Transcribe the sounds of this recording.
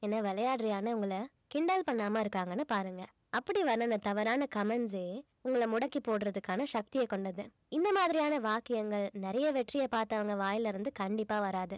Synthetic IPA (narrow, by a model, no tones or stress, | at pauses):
ɛnːɐʋɛlɐjaːʈɾɪjaːnɐʊŋɡɐɭɐ | kɪɳɖaːlpɐɳːaːmaɪɾɯkːaːŋɡɐnːɯpaːɾɯŋɡɐ | ɐpːɐɽiʋɐɾnɐnd̪ɐt̪ɐʋɐɾaːnɐkɐmɐnd͡ʒeː | ʊŋɡɐɭɐmʊɽɐkːipoːɽɯɾɐðɯkːaːnɐʃɐk̚t̪ɪjɐkːɔɳɖɐðɯ | ɪnd̪ɐmaːðɪɾɪjaːnɐʋaːkɪjɐŋɡɐɭnɛɾɐjɐʋɛʈrɪjɐpaːɾt̪ɐʋɐŋɡɐʋaːjɪlɪɾɯnd̪ɯkɐɳɖɪpːaːʋɐɾaːðɯ